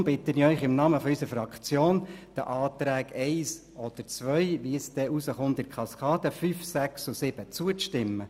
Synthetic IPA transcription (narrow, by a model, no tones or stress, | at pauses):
mb̥ɪt̪əniœʏχɪmnɑməfɔysəɾfɾɑkt͡sjoːnd̥əʔɑːt̪ɾæːɡɛɪs | ɔd̥̪əɾt͡sʋœʏʋiəsd̥̪ɛʔusəχʊntɪkʰχɑskɑːd̪əfyfsæksusɪb̥ət͡suəʃtɪmːə